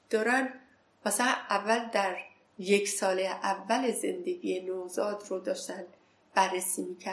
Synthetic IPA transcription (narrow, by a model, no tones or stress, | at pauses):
d̪̥ɒːɾæn | mæsælæʔævːæld̪æɾ | je̞cʰsɒːleʔævːælezend̪e̞ɡiːjenoːzɒːd̪rod̪ɒːʃt̪ænd̪ | b̥ærːesiːmiːcʰæ